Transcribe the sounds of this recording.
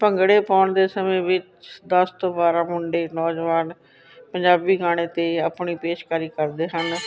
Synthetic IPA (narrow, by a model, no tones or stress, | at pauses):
pəŋɡɽeːpaːɳd̪eːsəmẽːʋɪt͡ʃ | d̪əst̪õːbaːɾaːmʊɳɖeːnɔːd͡ʒʋaːn | pəɲd͡ʒaːbiːɡaːɽ̃eːt̪eːəpɳiːpeːʃkəɾiːkəɾd̪eːɦən